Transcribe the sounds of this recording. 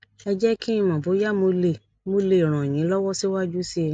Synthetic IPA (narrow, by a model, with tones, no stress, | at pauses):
ɛ˧d͡ʒɛ˦ki˦ĩ˧mã˨bo˨˦ja˦mo˧le˨ | mo˧le˧˨ɾ̃ɔ̃˨j̃ĩ˨˦lɔ˦wɔ˦si˦wa˦d͡ʒu˦si˦˧